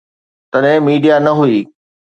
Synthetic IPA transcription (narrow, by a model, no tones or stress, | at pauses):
t̪ɐɗɦɛ̃miːɖijanɐɦuiː